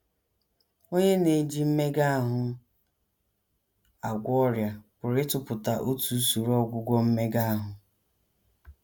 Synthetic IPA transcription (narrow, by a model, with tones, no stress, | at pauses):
o˦ɲe˦ne˨d͡ʒi˦m̩˦me˦ɡa˦a˦ɦʊ˦ | a˨ɡʷɔ˦ɾja˨kʊ˨ɾɪ˦tʊ˨pʊ˨ta˨ʔo˦tu˨˦su˨ɾɔ˦ɡʷʊ˦ɡʷɔ˦m̩˦me˦ɡa˦a˦ɦʊ˨